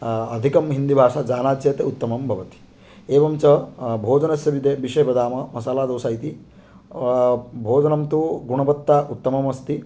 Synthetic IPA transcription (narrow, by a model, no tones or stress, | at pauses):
ɐd̪ʱikɐmɦind̪ibʱaːʂaːd͡ʒaːnaːd̪jɐːt̪ɐut̪ːɐmɐmbʱɐʋɐt̪i̥ | eːʋɐmt͡ʃɐbʱoːd͡ʒɐnɐsjɐʋid̪eːbiʂɐjbɐd̪aːmɐmɐsaːlaːd̪oːsaːjit̪i | bʱoːd͡ʒɐnɐmt̪uɡuɳɐbɐt̪ːaʔut̪ːɐmɐmɐst̪i